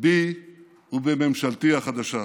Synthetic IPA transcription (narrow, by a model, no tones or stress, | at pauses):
bi | ubememʃalt̪iaχad̪aʃa